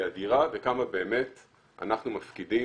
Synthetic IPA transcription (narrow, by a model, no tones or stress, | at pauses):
adiʁavekamabe̞ːme̞t | ʔa̰naχnumafkidi